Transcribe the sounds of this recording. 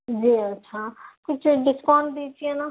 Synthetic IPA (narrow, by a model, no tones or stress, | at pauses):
d͡ʒiətːʃʰakʊt͡ʃʰɖɪskaːnd̪it͡ʃʰiena